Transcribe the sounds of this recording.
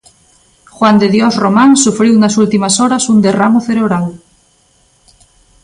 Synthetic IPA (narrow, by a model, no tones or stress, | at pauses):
xwand̪eðjɔsromãnsufɾiwnasult̪imasoɾasund̪eramoθeɾeβ̞ɾal